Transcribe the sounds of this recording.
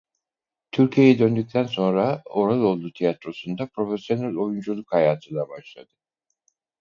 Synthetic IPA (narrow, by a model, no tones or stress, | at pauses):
t̪ʰyɾcʰijejɛd̪ønd̪yc̚ʲt̪ʰænso̞nɾao̞ɾalˠo̞lˠd̪ut̪ʰijat̪ɾo̞sund̪apɾo̞fesjo̞nælʲo̞jund͡ʒulˠukhajaːt̪ʰɯnˠabaʃlˠad̪ɯ̥